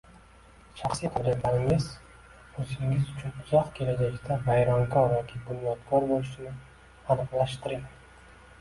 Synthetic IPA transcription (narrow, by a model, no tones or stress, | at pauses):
ʃɑχsijqʰɨd̪abalɪŋɪz | ɵzɪŋɪzʊt͡ʃʰʊnʊzɒqkʲʰe̞lad͡ʒakʲt̪ʰabajɾɒŋkɒɾjɒkʲʰɪɡʊnːɒt̪kʰɒɾbolɪʃɪnɪ | anɨqlˠaʃt̪ɪɾɪŋ